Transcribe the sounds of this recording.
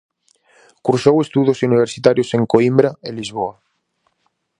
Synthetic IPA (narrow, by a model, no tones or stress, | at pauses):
kuɾsowest̪uðosuniβ̞eɾsit̪aɾjoseŋkoimbɾaelːizβ̞oa